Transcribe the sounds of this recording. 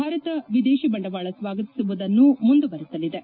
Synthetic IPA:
bʱaːɾɐt̪ɐʋid̪eːʃibɐɳɖɐʋaːɭɐsʋaːɡɐt̪i̥suʋud̪ɐnːumund̪uʋɐɾisɐlːid̪e

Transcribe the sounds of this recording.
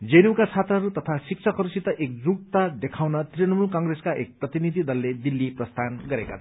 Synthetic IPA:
d͡zenukat͡sʰat̪rʌɦɾut̪ʌt̪ʰasik̚t͡sʰʌkɦʌɾusit̪ʌʔek̚d͡zuk̚t̪ad̪ekʰawnʌt̪rinʌmulkaŋɡreskaʔḛk̚prʌt̪inid̪ʱid̪ʌlːed̪ilːiprʌst̪ʰanɡʌɾeka̰t͡sʰ

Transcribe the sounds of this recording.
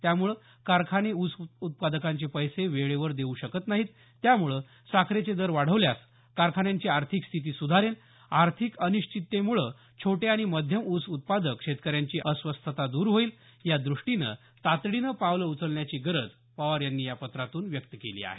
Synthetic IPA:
t̪jamuɭə | kaɾkʰaneusut̪̚pad̪əkaɲt͡ɕepəjseʋeɭeʋəɾd̪euɕəkət̪naɦiːt̪ː | jamuɭə | sakʰɾet͡sed̪əɾʋaɽ̤əʋljas | kaɾkʰaɳjaɲt͡ɕiːaɾt̪ʰikst̪ʰit̪̬iːsud̪ʱaɾel | aɾt̪ʰikəniɕt͡ɕit̪ːemuɭə | t͡ɕʰoʈeaɽ̃iməd̪ʱjəmut͡sut̪̚pad̪əkːʂet̪kəɾjaɲt͡ɕiːʔəsʋəst̪ʰət̪ad̪uːɾɦoiːl | jad̪ɾuʂʈinə̰ | t̪at̪ɽinəpaʋləut͡səlɳjat͡ɕiːɡəɾəd͡z | pəʋaɾjanːiːjapət̪ɾat̪uːnʋjək̚t̪əkelḭːa̰ɦḛ

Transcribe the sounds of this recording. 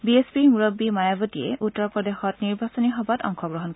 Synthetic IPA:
biespimuɹobːimajabɔtiɛʔutːɔɹpɹɔdexɔtniɹbasɔniɦɔbatɔ̰ŋxɔɡɹɔɦɔnkɔ

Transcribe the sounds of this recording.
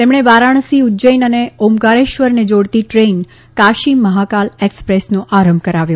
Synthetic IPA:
t̪emɳ̃eʋaɾaɳ̃siud͡ʒəjnəneomkaɾeʃʋəɾned͡ʒoɽt̪iʈɾen | kaʃimːəɦakalekspɾesnõʔaɾəmbʱkəɾaʋjõ

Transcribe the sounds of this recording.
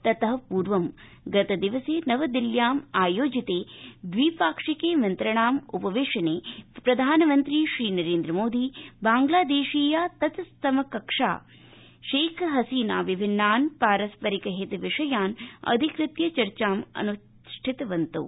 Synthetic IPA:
t̪ɐt̪ɐɦɐpuːɾʋɐm | ɡɐt̪ɐd̪iʋɐseːnɐʋɐd̪iljaːmaːjoːd͡ʒit̪eːd̪ʋiːpaːkʂikeːmɐnt̪ɾɐɳaːmupɐʋeːʂɐneːpɾɐd̪ʱaːnɐmɐnt̪ɾiːʃɾiːnɐɾeːnd̪ɾɐmoːd̪ʱiːbaːŋɡlaːd̪eːʂiːjaːt̪ɐt̪st̪ɐmɐkɐkʂa̰ː | ʃeːkʰɦɐsiːna̰ːʋibʱinːaːnpaːɾɐspɐɾikɐɦit̪ʋɪʂɐjaːnɐ̰d̪ʱikɾɪt̪jɐt͡ʃɐɾt͡ʃaːmɐ̰nu | ʂʈʰit̪ɐʋɐnt̪ṵ

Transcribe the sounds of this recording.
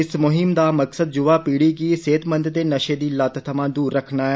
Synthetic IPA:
ɪsmʊɦɪmd̪aːməksəd̪̚d͡ʒʊʋaːpiːɽikiseːt̪mə̃nd̪d̪eːnəʃed̪iːlət̪t̪ʰəmãːd̪uːɾːəkʰnaːɛː

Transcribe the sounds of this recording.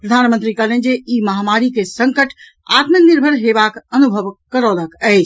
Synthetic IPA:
pɾəd̪ʱaːnmə̃nt̪ɾikalə̃nd͡ʒeiːmɐɦamaɾikesə̃ŋkəʈʰ | a̰ːt̪məknɪɾbʱəɾɦeʋakənubʱəʋkəɾɔːlakɛːɪt͡ʃʰ

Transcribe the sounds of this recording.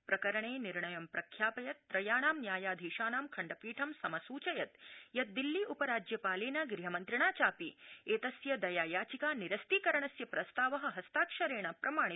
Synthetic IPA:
pɾɐkɐɾɐɳeːniɾɳɐjɐmpɾɐkʰːjaːpɐjɐt̪ːɾɐjaːnaːmnjaːjaːd̪ʱiːʃaːnaːmkʰɐɳɖɐpiːʈʰɐmsɐmɐsuːt͡ʃɐjɐt̪jɐt̪̚d̪ilːiʔupɐɾaːd͡ʒjɐpaːleːnɐɡɾiɦɐmɐnt̪ɾiɳaːt͡ʃaːpieːt̪ɐsjɐd̪ɐjaːjaːt͡ʃikaːniɾɐst̪iːkɐɾɐɳɐsjɐpɾɐst̪aːʋɐɦɐ̆ɦɐst̪aːkʃɐɾeːɳ̃aːpɾɐmaːɳ̃

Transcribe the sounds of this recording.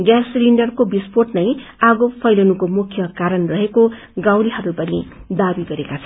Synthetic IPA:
ɡjarsliɳɖʌrkobisporʈnʌjaɡopʰʌjlʌnukomukʰjʌkaɾʌnrʌɦeko | ɡãw̃liɦʌɾubʌnid̪abiɡʌɾekat͡sʰʌn

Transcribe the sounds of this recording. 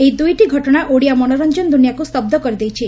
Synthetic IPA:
ejd̪ujʈiɡʱɔʈɔɽ̃aʔoɽijamɔñoɾɔnd͡ʒɔnd̪unijakust̪ɔb̚d̪ɔkɔɾid̪ejt͡ʃʰi

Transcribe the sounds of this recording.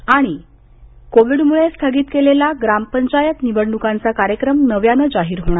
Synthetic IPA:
aɽ̃i | koʋiɽmuɭest̪ʰaɡiːt̪kelelaɡɾampəɲt͡ɕajət̪nibəɽɳukãnt͡sakaɾjəkɾəmnəʋjanəd͡zaɦiːɾɦoɽ̃aɾ

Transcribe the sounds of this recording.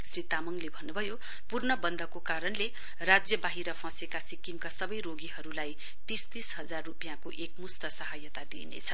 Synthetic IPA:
srit̪amʌŋlebʱʌnːubʱʌjo | purnʌbʌnd̪ʱʌkokaɾʌnle | rad͡zjʌbaɦiɾʌpʰʌ̃sekasikimkasʌbʌjroɡiɦʌɾulaj | t̪ist̪isɦʌd͡zarːupijãkoʔek̚must̪ʌsʌɦajʌt̪ad̪ḭnḛt͡sʰʌ

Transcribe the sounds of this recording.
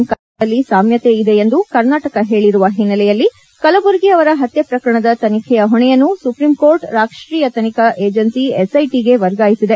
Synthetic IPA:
mkɐ | ɐlːisaːmjɐt̪eid̪e̞end̪ukɐɾnaːʈɐkɐɦe̞ːɭiɾuʋɐɦinːɐlɛjɐlːi | kɐlɐbuɾɡiɐʋɐɾɐɦɐt̪jɐpɾɐkɐɾɐɳɐd̪ɐt̪ɐnikʰɛjɐɦɔɳɛjɐnːusupɾimko̞ːɾʈɾaːkʂɾiːjɐt̪ɐnikʰɐʔeːd͡ʒɐnsiesɐjʈiɡe̞ʋɐɾɡaːjisid̪e

